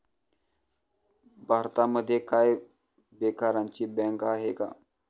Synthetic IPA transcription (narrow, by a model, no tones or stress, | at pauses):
bʱaɾt̪aməd̪ʱːjekaj | bekaɾaɲt͡ɕiːbɛ̃ŋkaɦeka̰